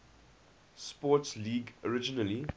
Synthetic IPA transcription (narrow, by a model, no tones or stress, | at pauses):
spɔtsliːɡɔɹɪd͡ʒinəli